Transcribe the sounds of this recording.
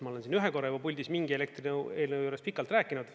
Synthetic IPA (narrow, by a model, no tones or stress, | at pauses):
mɑo̞le̞nsiːnyɦeko̞rːɑju̥ɑpulʲd̪ismiŋɡie̞lek̚t̪rineːlnəwjuːɾe̞spikːˑɑlt̪ræːkːˑinud̪̥